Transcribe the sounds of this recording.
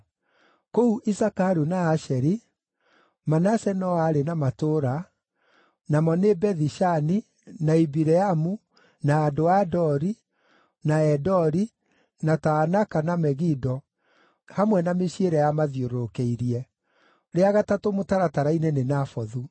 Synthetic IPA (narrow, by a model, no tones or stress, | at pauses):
kouʔisakaɾunaːʃɛɾi | manasɛnɔaɾenamatoɾa | namɔnebɛðiʃani | naibiɾɛamu | naːdoadɔɾi | naɛdɔɾi | nataːnakanamɛɣidɔ | hamwɛnameɕieɾɛjamaðioɾokeiɾiɛ | ɾeaɣatatomotaɾataɾainɛnenafɔðu